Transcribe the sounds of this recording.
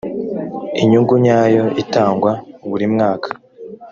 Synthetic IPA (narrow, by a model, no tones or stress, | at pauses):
iɲuŋɡuɲaːjo̞itaːŋɡwauβuɾimŋaːkʰḁ